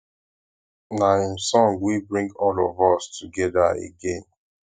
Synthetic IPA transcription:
naĩmsɔ̃ŋwibɹĩŋɡɔlɔvɔstʰuɡɛdaḛɡẽn

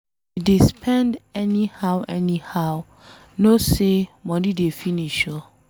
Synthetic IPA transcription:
idespʰɛ̃ndɛnihawɛnihaw | nosemɔ̃didefiniʃɔ

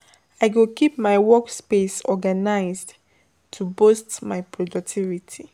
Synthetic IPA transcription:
aɪɡokipmaɪwɔkspesɔɡanaɪzd | tʰubostmajpɹɔdɔk̚tʰivitʰi

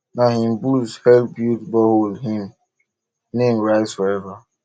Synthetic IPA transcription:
naɦim̩buzhɛlbjutbɔɦolɦim | nem̩ɾaɪsfɔɾɛva

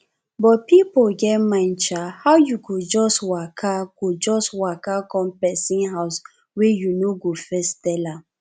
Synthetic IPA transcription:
bɔt̚pipolɡɛtmãɪnt͡ʃahaʊjuɡod͡ʒɔswakʰakod͡ʒɔswakakɔ̃mpɛsĩnɦaʊs | wejunoɡofɛstɛla

